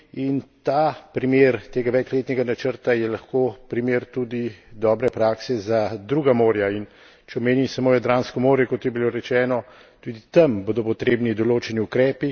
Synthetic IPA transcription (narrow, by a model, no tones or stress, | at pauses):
int̪aːpɾimeːɾt̪eːɡaʋɛt͡ʃleːt̪nʲɛɡanat͡ʃəɾt̪ajɛlaxkoːpɾimeːɾt̪ud̪id̪ɔːbɾɛpɾaːksɛzad̪ɾuːɡamoːɾjain | t͡ʃɛɔmeːnimsɐmoːjɛd̪ɾaːnskɔmoːɾjɛkot̪jɛbiloːɾɛt͡ʃɛːnɔ | t̪ud̪it̪ɐmboːd̪ɔpɔt̪ɾeːbnid̪ɔloːt͡ʃɛniukɾɛːpi